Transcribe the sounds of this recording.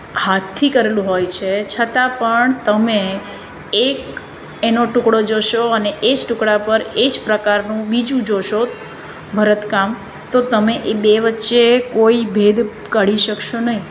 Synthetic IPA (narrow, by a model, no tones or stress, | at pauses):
hat̪ʰːikəɾelũɦojt͡ʃʰet͡ʃʰət̪ãpəɳt̪əme | ek | enoʈʊkɽod͡ʒoʃoəneʔed͡ʒʈʊkɽapəɾed͡ʒpɾəkaɾnũbid͡ʒũd͡ʒoʃo | bʱəɾət̪kam | t̪ot̪əmeʔebeʋətːʃekoibʱed̪ | kəɽiʃəkʃonəɦĩ